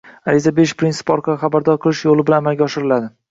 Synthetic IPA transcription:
alɪzabeʃpɾinsɪ̥pɒɾqʰɑχabaɾd̪ɒɾqʰɨlˠɪʃjolɪbɪlanamalɡʲaɒʃɪɾɪlad̪ɪ

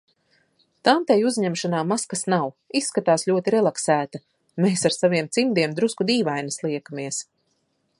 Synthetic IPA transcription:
t̪ant̪ɛjuzɲɛmʃanaːmaskasnawisːkat̪aːslʲuɔt̪iɾɛlˠaksæːt̪a | meːsaɾsaviɛmt̪simd̪iɛmd̪ɾuskud̪iːvajnɐslˠiɛkamiɛs

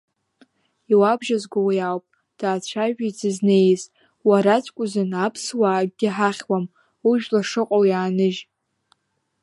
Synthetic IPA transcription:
iwabʒazɡʷowajawpʼ | d̥aːt͡ɕʷʰaʒᶣajd͡zɨznejz | waɾat͡ʃʷʰʼkʷʼʊzɨnapʰswaːɡɡʲɪħaχʲwam | uʒᶣlaʂɨqʷʼowjaːnɨʒ

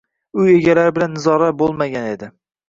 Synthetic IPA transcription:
ʊe̞ɡʲalaɾɪbɪlanːɪzɒɾabolˠmaɡʲane̞d̪ɪ

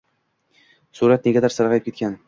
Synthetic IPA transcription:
suɾat̪̚neɡʲad̪aɾsaɾʁɑjɪp̚kʰʲe̞t̪kʲan

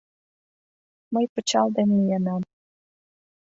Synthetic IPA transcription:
məjpə̆t͡ɕɑld̪enːijənɑm

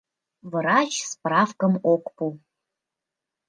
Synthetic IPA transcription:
vɾɑt͡ʃsprɑfkəmokpu

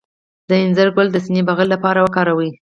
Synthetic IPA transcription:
d̪əɪnzəɾɡʊld̪əsinibaɣəlːapɑɾawəkɑɾawi

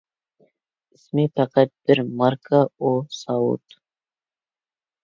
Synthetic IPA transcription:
ɪsmet̪ʰɑqɑt̪̚b̥ɪɾmaɾkʰaosɑwṵt̪

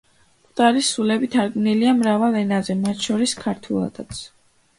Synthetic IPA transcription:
pʼt̪ʼaɾisulɛbit̪ʰaɾɡvniliamɾavalˠɛnazɛmat̪ʰʃɔɾiskʰaɾt̪ʰulˠa̰d̪at̪sʰ

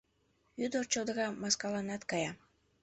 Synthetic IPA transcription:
yd̪ort͡ɕod̪əɣɑmɑskɑlɑnɑt̪kɑjɑ

